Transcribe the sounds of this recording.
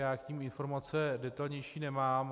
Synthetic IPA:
jaːkɲiːmɪnfo̞ɾmat͡sɛdɛt̪alɲɛjʃiːnɛmaːm

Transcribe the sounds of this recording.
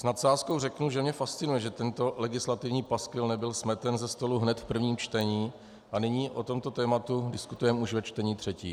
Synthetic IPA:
snat̪saːsko̞wrɛknuʒɛmɲɛfast̪t͡sɪnujɛʒɛt̪ɛnt̪o̞lɛɡɪslat̪ɪvɲiːpaskvɪlnɛbɪlsmɛt̪ɛnzɛst̪o̞luɦnɛt̪fpr̩vɲiːmt͡ʃt̪ɛɲiː | ʔanɪɲiːʔot̪o̞mt̪o̞t̪ɛːmat̪udɪskut̪ujɛmuʃvɛt͡ʃt̪ɛɲiːt̪r̝̥ɛcḭː

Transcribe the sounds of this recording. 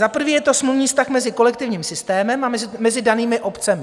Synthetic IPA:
zapr̩viːjɛt̪o̞smluvɲiːst̪axmɛzɪko̞lɛkt̪ɪvɲiːmsɪst̪ɛːmɛmamɛzmɛzɪdaniːmɪʔo̞pt͡sɛmɪ

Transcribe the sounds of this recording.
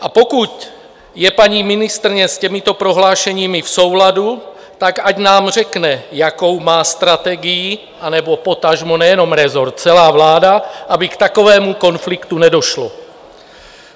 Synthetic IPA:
ʔapo̞kuc | jɛpaɲiːmɪnɪst̪ɾɪɲɛscɛmɪt̪o̞pɾoɦlaːʃɛɲiːmɪfso̞wladu | t̪akaɟnaːmr̝ɛknɛjako̞wmaːst̪ɾat̪ɛɡɪjɪ | ʔanɛbo̞po̞t̪aʒmonɛjɛno̞mɾɛzoɾt̪̚t͡sɛlaːvlaːdaʔabɪkt̪ako̞vɛːmuko̞nflɪkt̪unɛdo̞ʃlo

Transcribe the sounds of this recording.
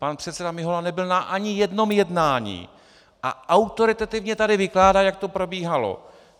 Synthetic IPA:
panpr̝̥ɛt̪sɛdamɪɦolanɛbɪlnaʔaɲɪjɛdno̞mjɛdnaːɲḭː | ʔa̰ʔawt̪o̞ɾɪt̪at̪ɪvɲɛt̪adɪvɪklaːdaːjak̚t̪o̞pɾo̞biːɦalo̞̰

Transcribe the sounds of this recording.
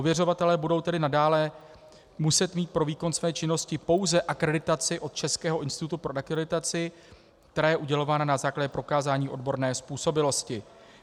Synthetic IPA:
ovjɛro̞vat̪ɛlɛːbudo̞wt̪ɛdɪnadaːlɛ | musɛt̪miːt̪̚pɾo̞viːko̞nsvɛːt͡ʃɪno̞scɪpo̞wzɛʔakɾɛdɪt̪at͡sɪʔo̞t̪t͡ʃɛskɛːɦo̞ʔɪnst̪ɪt̪ut̪upɾo̞ʔakɾɛdɪt̪at͡sɪ | k̚t̪ɛɾaːjɛʔuɟɛlo̞vaːnanazaːklaɟɛpɾo̞kaːzaːɲiːʔo̞dbo̞ɾnɛːspuːso̞bɪlo̞scɪ

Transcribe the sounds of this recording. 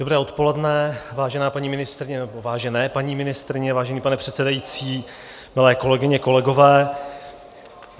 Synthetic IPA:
d̥obɾɛːʔo̞t̪po̞lɛdnɛvaːʒɛnaːpaɲiːmɪnɪst̪ɾɪɲɛnɛbovaːʒɛnɛːpaɲiːmɪnɪst̪ɾɪɲɛvaːʒɛniːpanɛpr̝̥ɛt̪sɛdajit͡siː | mɪlɛːko̞lɛɡɪɲɛko̞lɛɡo̞vɛː

